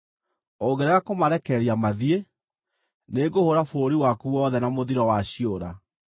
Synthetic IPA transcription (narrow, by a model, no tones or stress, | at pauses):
oɡɛɾɛɣakomaɾɛkɛɾiamaðie | neɡohoɾafoːɾiwakuwɔðɛnamoðiɾɔwaɕioɾa